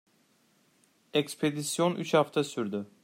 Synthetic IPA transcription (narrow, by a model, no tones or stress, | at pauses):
ekspʰe̞d̪isjo̞nʔyt͡ʃhaft̪ʰasyɾd̪y